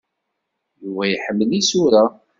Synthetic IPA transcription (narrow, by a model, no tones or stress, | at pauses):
juvæjħəmːəlisuɾa